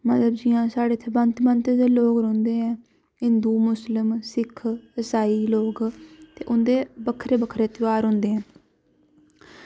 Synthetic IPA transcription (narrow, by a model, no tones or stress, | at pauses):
mət̪ləbd͡ʒɪjãːsaːɽeːt̪ʰːeːbənt̪mə̃nt̪ed̪eːloːkɾõːnd̪eːɛ̃ː | ɦɪ̃nd̪uːmʊslɪmsɪkʰəsaːiːloːkt̪ḛːʔʊnd̪eːbəkʰɾeːbəkʰɾeːt̪ɪaːɾɦʊ̃nd̪eːɦɛ̃ː